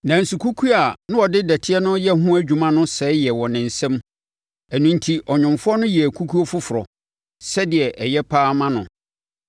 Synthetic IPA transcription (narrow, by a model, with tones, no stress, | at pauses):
nã˨n̩˨su˨kʰu˦kʰu˦a˨nʊ̃˦ɔ˨dɪ˦dæ˨tʰɪ˦ɛ˦nʊ̃˦jɛ˦ɦʊ̃˦æ˦d͡ʑᶣu˨mã˦nʊ̃˦sɛː˨˦jɛ˨wɔ̃˨nɪ̃˨n̩˨sɛ̃˦m | æ˨nũ˨n̩˨tʰi˨ʔɔ˨ɲᶣʊ̃˨mfʊ˦ɔ˦nʊ̃˦jɛ˨æ˨kʰu˦kʰu˦o˦fʊ˦fʊ˨ɾɔ˨ | sɛ˦dɪ˨ɛ˨ʔɛ˨jɛ˦pʰaː˦mã˦nʊ̰̃˨